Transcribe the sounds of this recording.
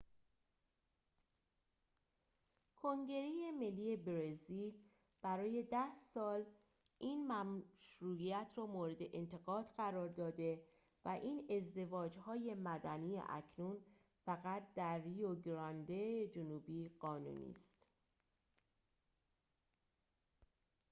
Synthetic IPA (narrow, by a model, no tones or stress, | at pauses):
kʰo̞ŋɟe̞ɾejeme̞lːiːje̞bɾezil | b̥æɾɒːje̞d̪æhsɒːl | ʔiːnmæmʃɾuːiæt̪ʰɾɒːmoːɾe̞d̪e̞ʔent̪ʰe̞ɣɒːd̪ɢæɾɒːɾd̪ɒːd̪e̞ | væʔiːne̞zd̪e̞vɒːd͡ʒhɒːje̞mæd̪æniːḛʔæ̰cʰnun | fæɣæt̪̚ʰd̪æɾːioɡɾɒnd̪ed͡ʒonuːbiːɢ̥ɒːnṵːnḭːst̪